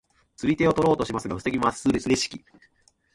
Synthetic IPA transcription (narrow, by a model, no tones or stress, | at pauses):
t͡sɨɾʲit̪e̞o̞t̪o̞ɾo̞ːt̪o̞ɕimasɨɡaɸɯ̟̥se̞ɡʲimasɨɾsɨɾʲeɕi̥kʲi